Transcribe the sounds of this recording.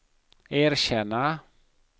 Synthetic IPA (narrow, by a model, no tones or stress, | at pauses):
eɾʃɛna